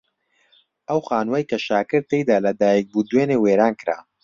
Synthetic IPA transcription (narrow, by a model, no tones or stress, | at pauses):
ʔɐwxaːnwajkɐʃaːkɨɾ̚t̪ejd̪aːlɐd̪aːjɛk̚buːd̪weːneːweːɾaːnkɨɾa̰ː